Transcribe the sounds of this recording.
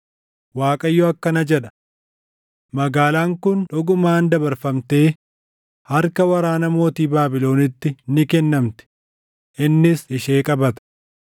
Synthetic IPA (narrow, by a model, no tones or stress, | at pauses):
waːkʼɐjːoɐkːɐnɐd͡ʒɛᶑɐ̥ | mɐɡaːlaːŋkʊnᶑɔɡʊmaːnd̪ɐbɐɾfɐmt̪e̞ː | hɐɾkɐwɐɾaːnɐmo̞ːt̪iːbaːbɪlo̞ːnɪt̪ːɪnɪkɛnːɐmt̪ɛ̥ | ʔɪnːɪsɪʃeːkʼɐbɐt̪ɐ̥